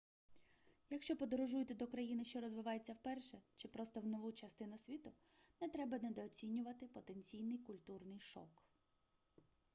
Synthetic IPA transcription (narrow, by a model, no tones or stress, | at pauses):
jɐkʃt͡ʃɔpɔd̪ɔɾɔʒujʊt̪ɛd̪ɔkɾɐjinɪʃt͡ʃɔɾɔzʋɪʋɑjet͡sʲːɐwpɛrʃɛt͡ʃɪpɾɔst̪ɔwnɔʋut͡ʃɐst̪ɪnʊsʲʋʲit̪ʊ | nɛt̪ɾɛbɐnɛd̪ɔːt͡sʲinʲːʊʋɐt̪ɪpɔt̪e̞nʲt͡sʲijnɪjkʊlʲt̪urnɪjʃɔ̰k